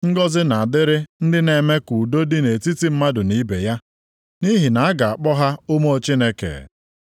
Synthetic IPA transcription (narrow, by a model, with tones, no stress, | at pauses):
ŋ̩˦ɡɔ˦zɪ˦na˨a˨dɪ˦ɾɪ˦n̩˦dɪ˦ne˨me˦ku˨do˦dɪ˦ne˨ti˦ti˦m̩˦ma˦dʊ˨ni˦be˨ja˦ | ni˦ɦi˨na˨a˦ɡa˨a˨k͡pɔ˦ɦa˦ʊ˦mo˦o˦t͡ʃi˦ne˦kḛ˨